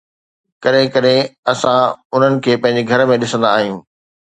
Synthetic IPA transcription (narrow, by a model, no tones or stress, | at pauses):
kɐɗɦɪ̃kɐɗɦẽɐsãʊn̤ənɪ̆kʰeːpɐ̃ɦɪ̃ɲd͡ʑeɡʱɐɾmẽɗɪsə̃nd̪aːɦijũː